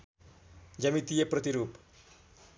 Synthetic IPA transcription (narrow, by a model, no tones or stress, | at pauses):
d͡zʌmit̪ijeprʌt̪iɾup